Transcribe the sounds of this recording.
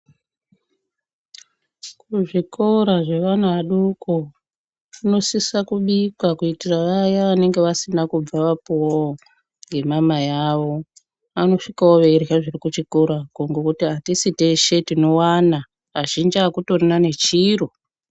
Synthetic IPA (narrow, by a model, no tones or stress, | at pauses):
kuʐikʰo̞ɾaʐe̞ʋan̤uʋaɗukʰo | uno̞sisakuɓikwakuitiraʋajaʋane̞ŋɡe̞ʋasinakub͡vaʋapo | ŋɡe̞mamajaʋo̞ | ano̞ʂikaoʋerʝaʐirikut͡ʃikoɾakoŋɡokutiɦatisiteʃe̞tino̞wana | ɦaʒind͡ʒiakuto̞rinane̞t͡ʃiːro